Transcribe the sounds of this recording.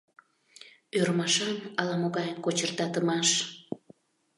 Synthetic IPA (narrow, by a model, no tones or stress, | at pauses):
øɾmɑʃɑnɑlɑmoɣɑjənkot͡ɕərt̪ɑt̪əmɑʃ